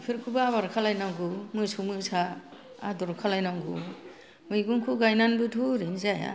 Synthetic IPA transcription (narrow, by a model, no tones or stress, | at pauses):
pʰiɾkʰubaːβaɾkʰalajnaŋɡumujsumɯsa | adɔɾkʰalajnaŋɡṵ | mɯjɡuŋkʰuɡajnanbɯtʰuɾinzaja̰